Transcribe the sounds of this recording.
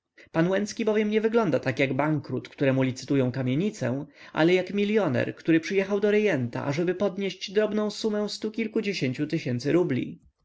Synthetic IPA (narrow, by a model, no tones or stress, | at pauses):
panwɛnt̪skʲibɔvʲjɛmɲɛvɘɡlɔnd̪at̪akjaɡbaŋkɾut̪kt̪uɾɛmulʲit̪sɘ̥t̪ujɔ̃w̃kamʲjeɲit̪sɛ̰̃ʔa̰lɛjakmʲilʲjɔnɛ̰ɾkt̪uɾɘpʂɘjɛxawd̪ɔɾɛjɛnt̪a̰ʔa̰ʐɛbɘpɔd̪ɲeɕd͡ʑd̪ɾɔbnɔ̃w̃sumɛ̃st̪ukʲilkud͡ʑeɕeɲt͡ɕut̪ɘɕɛnt̪sɘɾublʲḭ